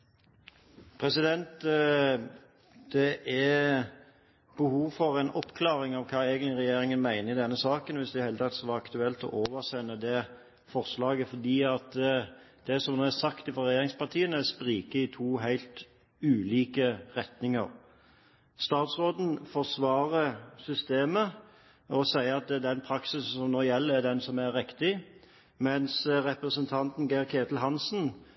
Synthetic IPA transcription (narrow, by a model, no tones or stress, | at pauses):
pʰɾɛsɪd̪ɛnt̪ | d̪̥ɛʔæ | b̥əhuːʋfɔɾæɪnɔpkʰlɑːʁɪŋɑʋkʰɑːeːɡənt̪ɪɾɛjeːɾɪŋənmæɪnəɪd̪ɛnːəsɑːkənʋɪsd̪ɪd̪hæɪlət̪ɑt̪ːsɔʋɑɑkt̪ʉɛlt̪ɔ̰ʔoːʋəʁsɛnːəd̪ɛ | fɔʁslɑːɡəfɔd̪iːɑt̪d̪̥ɛsɔmnoːæsɑkt̪ɪfɔʁɛjeːɾɪŋspɑt̪ʰiːənəɛspʁiːkəɪt̪ʰuːɦæɪlt̪ | ʉːliːkəʁɛt̪nɪŋə̰ʁ | st̪ɑːt̪sʁoːd̪n̩fɔʁsʋɑːʁəsʏst̪eːmə | ɔsæɪəɑt̪̚d̪ɛnpʰɾɑksɪsn̩sɔmnoːjɛlːəæd̪ɛnsɔmæɾːɪkt̪ɪ | mɛnsʁɛpʁəsənt̪ʰɑnt̪n̩ɡɛɪʁkʰeːt̪l̩ɦɑnsn̩